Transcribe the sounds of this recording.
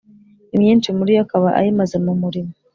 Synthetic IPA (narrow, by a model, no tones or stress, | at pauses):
imɲiːnt͡ʃimuɾiakaβaʔa̰jimazemumuɾimo